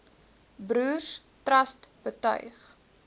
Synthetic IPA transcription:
bruːrs | trɐstb̥ətœ̰ɥχ

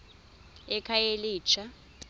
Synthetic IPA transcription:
ɛkʰajeliːt͡ʃʰʼa

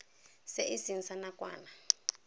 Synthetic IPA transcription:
seʔisinsanakʼwa̰ːna

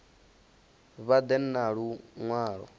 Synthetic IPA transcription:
βad̪ɛnːaɺuŋwaːɺɔ̰

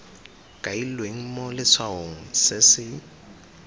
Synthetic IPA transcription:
kʼailweŋ̩mɔlɪt͡sʰwaɦoŋ̩sɪsɪ

